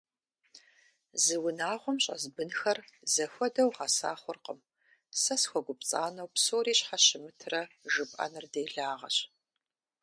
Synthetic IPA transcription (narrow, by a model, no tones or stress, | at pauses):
zɨwʊnaːʁʷɔmɕʼɐ̰zbɨnxɐrzɐxʷɔdɐwʁɑsa̰ːχʷʊrqəm | sɐsxʷɔɡʷʊpt͡sʼaːnɐwpsoːɾiːɕħaɕɪmɨtʰrɐʒɨpʼɐ̰nɨrdeːɮaːʁɐ̰ɕ